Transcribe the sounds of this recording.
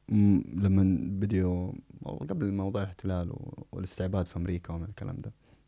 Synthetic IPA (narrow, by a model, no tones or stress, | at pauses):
lamːanbɪd̪jṵ | ɡablɪmɑwðˤuːʕɪlɪħt̪ɪlaːlwwɪ̰lɪst̪ɪʕbaːd̪fiʔamɾiːkawmɪnɪlkalʔa̰ːmd̪aː